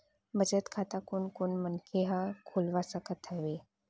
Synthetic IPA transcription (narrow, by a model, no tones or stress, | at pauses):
məd͡zət̪kʰat̪akuɳkoɳmənkʰeɦãkʰulʋasakət̪ʰəʋe